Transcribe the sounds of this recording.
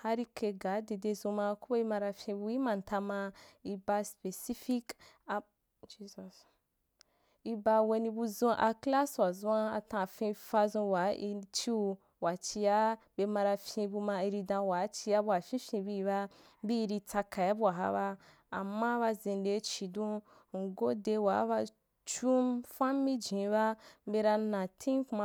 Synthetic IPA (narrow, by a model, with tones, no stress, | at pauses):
ha˧ɾi˧kʰe˧ɡa˨˦de˧de˧zũ˧ma˧ko˦bo˦i˧mã˧ɾa˧fʲĩ˧bu˧i˦mã˨n˨ta˧ma˧i˧ba˧spe˨si˦fi˦k | d͡ʒi˦zɔ˨s | i˧ba˧we˧nĩ˧bu˧zõ˧ʔa˧kla˦swa˨zũ˦a˧a̰˧tã˧˨fẽ˧fa˧zũ˧wa˨˦i˧t͡ʃi˦˧ | wa˨t͡ʃi˧ja˦ | be˧mã˧ɾa˧fʲĩ˧bu˧mã˧i˧ɾi˧dã˧wa˨˦t͡ʃi˧ja˦bu˧a˨fʲĩ˦fʲĩ˧bi˧i˧ba˧ | bi˦i˧ɾi˧t͡sa˧ka˨ja˦bu˦a˨ɦa̰˦ba˧ | a˨mːa˦βa˧zẽ˧n˦de˧˦t͡ʃi˨dũ˦ | ŋ̩˨ɡo˦de˧wa˨˦ba˧ | t͡ʃu˦mfa˦mi˦d͡ʒĩ˨˦ba˦be˧ɾa˧nã˨tʰĩ˦kma˧